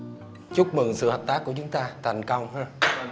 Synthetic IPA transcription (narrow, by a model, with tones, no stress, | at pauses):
t͡ɕʊ˦˥k͡p̚mɨ̰˨˩ŋsɨ̰˧˨həː˨˩p̚t̪aː˦˥k̚ːu˧˩ət͡ɕʊ˨˦ŋ͡mt̪aː˧t̪ʰa˨˩jŋ̟kə˧wŋ͡mhəː˧